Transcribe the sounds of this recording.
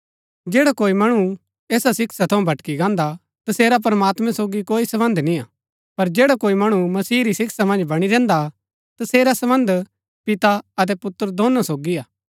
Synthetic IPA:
d͡ʒeːɽakoːimɐɽ̃u | ɛːsasɪksat̪ʰɐũbʱɐʈkiɡãːnd̪a | t̪ɐseːɾap̬ɾɐmaːt̪mɛ̃soːɡikoːisɐbə̃nd̪ʱnĩaː | pɐɾd͡ʒeːɽakoːimɐɽ̃umɐsiːɾisɪksamɐ̃nd͡ʒbɐɽ̃iɾɛ̃ːnd̪a | t̪ɐseːɾasɐbə̃nd̪ | pɪt̪aɐt̪̬ɛpʊt̪ːəɾd̪ʱoːnasoːɡiaː

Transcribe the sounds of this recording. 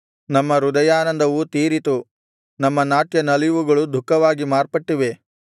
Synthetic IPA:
nɐmːɐɾud̪ɐjaːnɐnd̪ʱɐʋut̪iːɾit̪u | nɐmːɐnaːʈjɐnɐliʋuɡɐɭud̪ʱukːɐʋaːɡimaːɾpɐʈːiʋe̞

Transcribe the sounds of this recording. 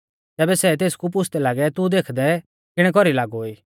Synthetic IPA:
t̪ɛːbɛsɛt̪̬eːskup̬ʊsʰt̪ɛlaːɡɛt̪ud̪eːkʰd̪ɛ | kɪɽ̃ɛk̬ɔɾilaːɡoːiː

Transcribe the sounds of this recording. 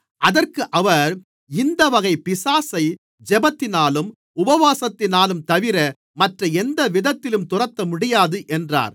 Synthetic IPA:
ʔɐðɐrkɯʔɐʋɐɾ | ɪnd̪ɐʋɐɣɐɪpɪsaːsɐɪ | d͡ʒɛbɐt̪ːɪnaːlɯm | ʊbɐʋaːsɐt̪ːɪnaːlɯmt̪ɐʋɪɾɐ | mɐʈrɐɛnd̪ɐʋɪðɐt̪ːɪlɯmt̪ʊrɐt̪ːɐmʊɽɪjaːðɯʔɛndra̰ːɾ

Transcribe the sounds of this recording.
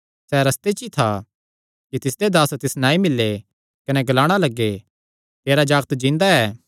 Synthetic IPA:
sɛɾɐst̪et͡ʃit̪ʰa | kit̪ɪsd̪ed̪aːst̪ɪsnãːĩmɪlːe | kɐnɛɡɐlaːɽ̃alɐɡːe | t̪eːɾad͡ʒaːɡt̪d͡ʒĩːnd̪aɛː

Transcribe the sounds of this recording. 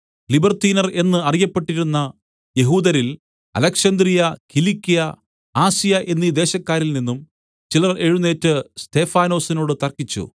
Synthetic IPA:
libɐrt̪iːnɐre̞nːɨɐrijɐpːe̞ʈːiɾunːɐ | je̞ɦuːd̪ɐɾil | ɐ̰lɐkʂɐnd̪rijɐkilikːijɐ | aːsijɐʔe̞nːid̪e̞ːɕɐkːaːɾilninːum | t͡ɕilɐre̞ɻunːe̞ːtːɨst̪e̞ːfaːno̞ːsino̞ːɽɨt̪ɐrkit͡ɕːṵ

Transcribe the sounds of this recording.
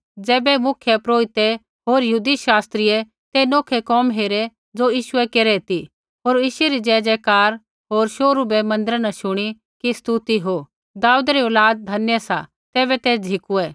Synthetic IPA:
d͡zɛːbɛmʊkʰjepɾoːit̪ɛ | ɦoːɾjəɦuːd̪iʃaːst̪ɾɪjɛ | t̪enoːkʰekɔːmɦeːɾɛ | d͡zojiːʃʊɛkeːɾɛt̪i | ɦoːɾjiːʃʊeɾid͡ʒɛːd͡ʒɛkaːɾ | ɦoːɾʃoːɾubɛmɐ̃nd̪əɾnɐʃʊɽ̃i | kist̪ut̪iɦo | d̪aːud̪ɾioːlaːd̪̚d̪ʱɐnjəsa̰ | t̪ɛːβɛt̪eːsd͡ʒʱɪkuɛː

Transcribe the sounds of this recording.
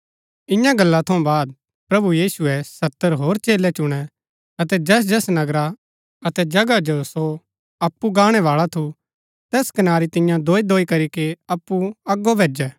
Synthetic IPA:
ɪ̃jãɡɐlːat̪ʰɐ̃ũbaːd̪̚ | pɾɐbujiːsuɛsɐt̪ːəɾɦoːɾt͡ʃeːlɛt͡ʃʊɽ̃ɛ | ɐt̪ɛd͡ʒɛːs̬d͡ʒɛːsnɐɡɾa | ɐt̪ɛd͡ʒɐɡad͡ʒoso | ɐpːuɡaːɽ̃ɛʋaːɭat̪ʰu | t̪ɛːskɐnaːɾit̪ɪ̃jãd̪oːid̪oːikɐɾikeɐpːuɐɡːobʱeːd͡ʒɛː

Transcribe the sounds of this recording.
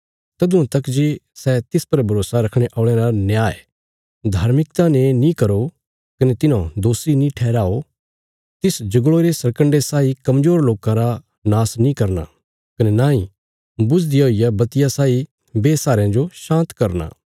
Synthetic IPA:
t̪ɐd̪ʊ̃ãt̪ɐkd͡ʒesɛt̪ɪspɐɾbʱɐɾoːsaɾɐkʰɽ̃eʔɔːɭɛ̃ɾanjaːḛ | d̪ʱaːɾmɪkt̪ãnenĩkɐɾo | kɐnet̪ɪnãd̪oːsinĩʈʰɛːɾaːo | t̪ɪsd͡ʒɐɡɭoɾesɐɾkə̃ɳɖesaːikɐmd͡ʒoːɾloːkãɾa | naːsnĩkɐɾna̰ | kɐnenãːĩ | bʊd͡ʒd̪ijaɦoːijabɐt̪ɪjasaːi | beːsaːɾãd͡ʒoʃãːnt̪kɐɾna̰ː

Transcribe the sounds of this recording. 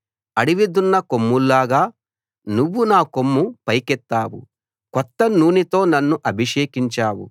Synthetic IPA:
ɐɽiʋid̪unːɐkomːulːaːɡaː | nuʋːunaːko̞mːupɐjkɛt̪ːaːwṵ | kɔt̪ːɐnuːnit̪o̞ːnɐnːuʔɐbʱiʂeːkiɲt͡ʃaːwṵ

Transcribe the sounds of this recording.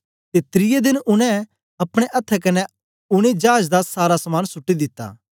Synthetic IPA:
t̪et̪ɾɪjed̪ɪnʔʊnɛ̃ | ɐpɽ̃eʔɐt̪ʰːɛkɐnɛ | ʊɽ̃ed͡ʒaːd͡ʒd̪asaːɾasɐmaːnsʊʈːid̪ɪt̪ːa̰ː

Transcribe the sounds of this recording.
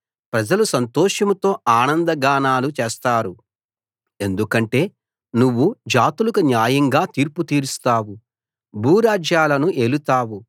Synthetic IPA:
pɾɐd͡ʒɐlusɐnt̪ɔːʂɐmɐt̪o̞ːaːnɐnd̪ɐɡaːnaːlut͡ʃeːst̪aːɾu | e̞nd̪ukɐɳʈe̞ː | nuʋːud͡ʒaːt̪ulɐkunjaːjɐŋɡaːt̪iːɾput̪iːɾust̪aːwu | bʱuːɾaːd͡ʒjaːlɐnuʔeːlut̪aːwu

